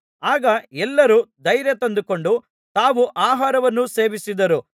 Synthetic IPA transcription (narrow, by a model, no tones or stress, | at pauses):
aːɡɐɛlːɐɾud̪ɐjɾjɐt̪ɐnd̪uko̞ɳɖu | t̪aːʋuʔaːɦaːɾɐʋɐnːuse̞ːʋisid̪ɐɾu